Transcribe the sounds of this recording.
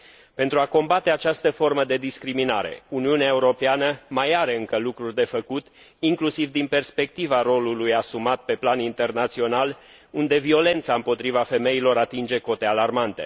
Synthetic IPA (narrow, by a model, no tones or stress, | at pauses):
pe̞nt̪ɾuako̞mbat̪e̞at͡ʃast̪əfo̞rməd̪e̞d̪iskɾiminaɾe̞̰uniuneaeuɾo̞peanəmajaɾe̞ɨŋkəlukɾurʲd̪e̞fəkut̪ | iŋklusivd̪inpe̞rspe̞k̚t̪ivaro̞lulujasumat̪̚pe̞planint̪e̞rnat̪sio̞nal | und̪e̞vio̞le̞nt̪saɨmpo̞t̪ɾivafe̞me̞ilo̞ɾat̪ind͡ʒe̞ko̞t̪e̞alarmant̪e̞̰